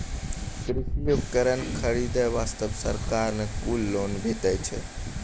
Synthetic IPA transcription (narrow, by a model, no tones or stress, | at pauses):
kɾisjubkəɾənkʰəɾid̪əʋaːst̪əbsəɾkaɾnekulːonbʱet̪əjt͡ʃʰḛ